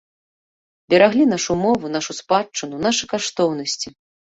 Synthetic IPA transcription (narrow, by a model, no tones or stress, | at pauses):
bʲɛɾaɣlʲinaʂumɔvunaʂuspat͡ʂːɨnunaʂɨkaʂt̪ɔwnɐsʲt͡sʲi